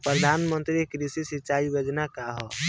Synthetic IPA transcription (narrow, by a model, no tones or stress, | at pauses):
pɾəd̪ʱanmə̃nt̪ɾikɾisisit͡ʃaibəd͡ʒnakaɦɔ